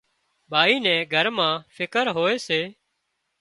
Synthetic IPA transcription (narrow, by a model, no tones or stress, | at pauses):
bʱaːiːnɛ̃ːɡʱəɾmãːfʰɪkəɾɦoːeːseː